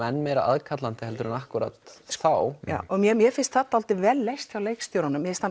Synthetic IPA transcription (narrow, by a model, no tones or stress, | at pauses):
ɛnːmejɾa̰a̰ðkʰat̪lant̪ɪhɛlt̪ʏɾanahkʏɾa̰t̪θawja̰ːʔɔɣmjɛmjɛfɪnst̪θat̪aalt̪ɪvɛːlːejst̪çjawlejkst̪jowɾanːʏmːjɛfɪnst̪ʰːa